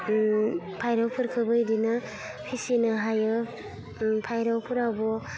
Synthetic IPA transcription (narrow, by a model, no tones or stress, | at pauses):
pʰajɾawpʰɯɾkʰɯbɯjdina | pʰisinɯɦajɯ | pʰajɾawpʰɯɾawbɔ